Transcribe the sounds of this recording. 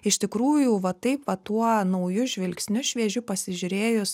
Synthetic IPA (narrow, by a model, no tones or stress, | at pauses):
ɪʃʲt̪ʲɪkɾuːjuʋɐt̪ɐɪpʋɐt̪uɔnɐʊjʊʒʲʋʲɪlʲksʲnʲʊʃʲʋʲiɛʒʲʊpɐsʲɪʒʲʊɾʲeːjʊs